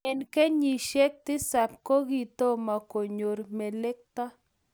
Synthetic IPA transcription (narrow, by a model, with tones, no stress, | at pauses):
ɛ˨nke˦ɲi˨ʃe˦k̚t̪ɪ˦sa˨p̚ko˦ɡi˨t̪o˦ma˨ko˨ɲo˨ɾme˨le˦k̚t̪a˦